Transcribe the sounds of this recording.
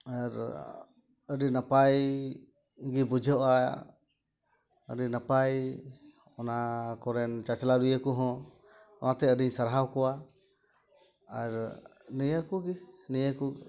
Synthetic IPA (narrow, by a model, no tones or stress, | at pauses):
aɾ | əɖinapaj | ɡibud͡ʒʱɔʔa | ə̰ɖinapaj | ɔnakɔɾɛnt͡ʃat͡ʃlalujəkuɦɔ̃ | ɔnat̪ɛəɖiɲsaɾɦawkɔwa | ɾ | nijakuɡinijaku